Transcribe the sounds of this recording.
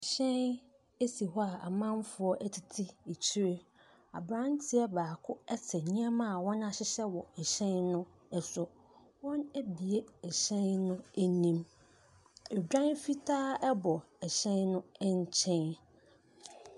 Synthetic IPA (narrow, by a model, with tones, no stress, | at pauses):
ɕɛ̃˦n | e˦si˨ɦɔ˦a˨a˨mã˦nfʊ˨˦ɔ˦ʔæ˦tʰi˨tʰi˦e˨t͡ɕʰi˦ɾe˦ | a̰˨bɾã˦n˦tʰɪ˦ɛ˦baː˨kʰʊ˦ɛ˦tʰɛ˨ɲĩ˦ã˦mã˦˨wɔ̃˦nã˦ɕɪ˦ɕɛ˦wɔ˨ɛ˨ɕɛ̃˦nnʊ̃˦ | ɛ˨sʊ˨ | wɔ̃˦næ˦bi˨e˦ɛ˨ɕɛ̃˦nnʊ̃˦æ˦nĩ˦m | ɛ˨d͡ʑᶣã˦nfi˦tʰaː˦ɛ˦bɔ˨ | ɛ˨ɕɛ̃˦nnʊ̃˦ɛ˦ɲ˦t͡ɕʰɛ̃˦n